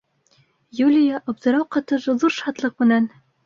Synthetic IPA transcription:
julʲɪjɑʔɑb̚d̪ɤ̆ɾɑwqɑt̪ɤʒɤðuɾʃɑt̪lˠɤq̚mɘ̆næn

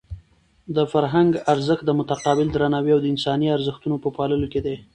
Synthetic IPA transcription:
d̪əfaɾɦaŋɡaɾzəxt̪̚d̪əmʊt̪aqɑbɪld̪ɾanɑwiawd̪əɪnsɑniaɾzəxt̪unopəpɑləloked̪e

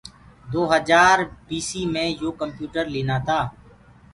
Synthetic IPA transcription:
d̪oːɦəd͡ʒaːɾbiːsiːmẽːjoːkəmpjuːʈəɾleːnaːt̪ʰaː

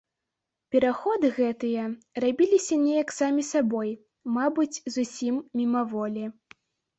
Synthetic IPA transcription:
pʲɛɾaxɔd̪ɨɣɛt̪ɨjɐrabʲilʲisʲɐnʲejɐksamʲisabɔj | mabɨt͡sʲzusʲimːʲimɐvɔlʲi

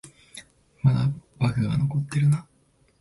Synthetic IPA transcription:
mad̪abakɯ̟ɡa̰no̞ko̞t̪ːe̞ɾɯ̟na

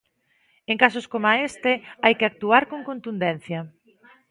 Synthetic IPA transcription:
eŋkasoskomaest̪ɪajkɪak̚t̪uaɾkõŋkont̪und̪ɛn̟θjɐ

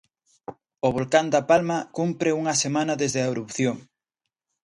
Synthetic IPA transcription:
ʊβolkand̪ɐpalmɐkumpɾɪuŋɐsemanɐðezðeaeɾupθjoŋ

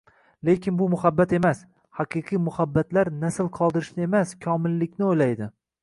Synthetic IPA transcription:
le̞kʲɪnbʊmʊhabːat̪e̞mas | hɑqʰɨqʰijmʊhabːat̪laɾnasɪlˠqʰɒlˠd̪ɪɾɪʃnɪe̞maskʲʰɒmɪlːɪkʲnɪojlajd̪ɪ

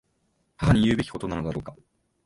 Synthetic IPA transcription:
haɦaɲ̟ijɯ̟ːbe̞kʲi̥ko̞t̪o̞nano̞d̪aɾo̞ːka

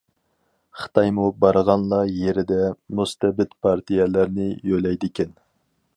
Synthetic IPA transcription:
χə̥t̪ʰɑjmubɑɾəʁɑnlˠɑjeɾɪd̪ɛmust̪ɛbɪt̪pʰɑɾt̪ʰijɛlæɾnɪjølɛjd̪ɪkʲʰɛn

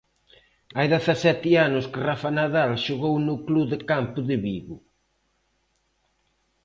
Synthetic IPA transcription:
ajðeθasɛt̪ɪanʊskɪrafanaðalʃoɣownʊkluðɪkampʊðɪβiðʊ

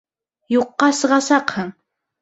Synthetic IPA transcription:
joqːɑsɤʁɑsɑqhɤŋ

